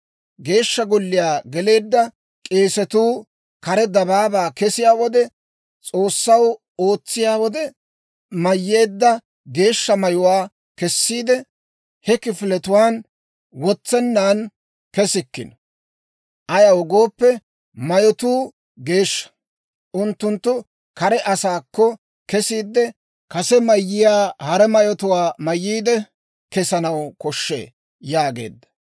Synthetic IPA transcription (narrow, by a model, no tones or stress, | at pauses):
ɡe̞ːʃːɐɡʊlːɪjaːɡɛle̞ːd̪ːɐ | kʼe̞ːsɛt̪uː | kɐɾɛd̪ɐbaːbaːkɛsɪjaːwɔd̪ɛ | t͡sʼo̞ːsːɐw | o̞ːt͡sːɪjaːwɔd̪ɛ | mɐjːeːd̪ːɐ | ɡe̞ːʃːɐmɐjʊwaː | kɛsːiːd̪ɛ | hɛkɪfɪlɛt̪ʊwaːn | wɔt͡sːɛnːaːn | kɛsɪkːɪ̰n | ʔɐjɐwɔɡo̞ːpːɛ | mɐjɔt̪uː | ɡe̞ːʃːɐ̥ | ʔʊnt̪ːʊnt̪ːʊ | kɐɾɛʔɐsaːkːɔ | kɛsiːd̪ːɛ | kɐsɛmɐjːɪjaːhɐɾɛmɐjɔt̪ʊwaːmɐjːiːd̪ɛ | kɛsɐnɐwkɔʃːḛː | jaːɡe̞̰ːd̪ːɐ̥